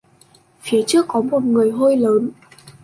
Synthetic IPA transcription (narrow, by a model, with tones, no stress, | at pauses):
fi˨˦ət͡ɕɨ˦˥əkːɔ˨˦mo˨˩t̚ŋɨ˨˩əjɦo˧jləː˨˦n